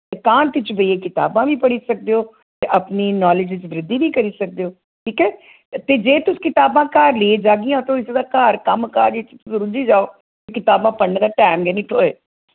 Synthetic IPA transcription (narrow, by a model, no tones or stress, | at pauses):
kaːnt̪ɪt͡ʃbəieːkɪt̪a̰ːbãːʋiːpəɽiːsək̚d̪eːoː | t̪eːʔəpniːnaːlɪd͡ʒʋɪt͡ʃʋɾɪd̪ːiːnĩːkəɾiːsək̚d̪eːoː | ʈʰiːkɛː | t̪eːd͡ʒeːt̪ʊskɪt̪aːbãːkaːɾleːed͡ʒaːɡɪjãːt̪õːɪsd̪aːkaːɾkəmkaːɾd͡ʒɪt͡ʃt̪ʊsɾud͡ʒiːd͡ʒaːoː | t̪ekɪt̪aːbãːpəɽneːd̪aːʈɛːmɡeniːʈʰoːeː